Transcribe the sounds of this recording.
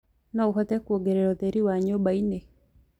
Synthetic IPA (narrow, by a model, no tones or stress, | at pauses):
nɔuɦɔt̪ekwoɡeɾeɾɔt̪eɾiwaɲobaine